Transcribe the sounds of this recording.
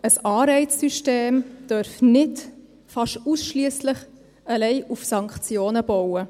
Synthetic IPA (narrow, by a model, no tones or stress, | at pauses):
əsɑːɾɛɪt͡ssyʃteːmd̥œɾfnɪt | fɑʃuːsʃliəslɪχ | əlɛɪʔufsɑŋkχt͡sjoːnəb̥ɔwə